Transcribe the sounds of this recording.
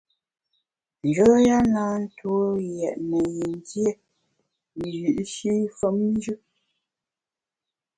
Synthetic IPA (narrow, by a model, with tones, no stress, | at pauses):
n˨d͡ʒɔː˨˦ja˦naː˨˦n̩˦tʰwo˦jɛ˨ʔnə˨ji˨n˨tje˦˨ | ji˨ʔʃi˦fə˨˦mn˦d͡ʒʉ˦